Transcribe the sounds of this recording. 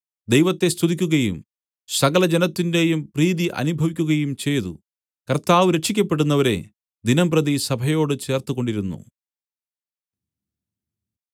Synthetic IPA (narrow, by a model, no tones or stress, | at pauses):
d̪ejʋɐt̪ːe̞st̪ʰuðikʲːuɣɐjum | sɐɣɐlɐd͡ʑenɐt̪ːinde̞jumpriːðiʔɐ̰nubʱɐʋikʲːuɣɐjumt͡ɕe̞jðṵ | kɐrt̪aːʋɨɾet͡ʃʂːikʲːɐpːe̞ɽunːɐʋɐɾe̞̰ | d̪inɐmprɐðisɐbʱɐjo̞ːɽɨt͡ɕe̞ːrt̪uɣo̞ɳɖiɾunːṵ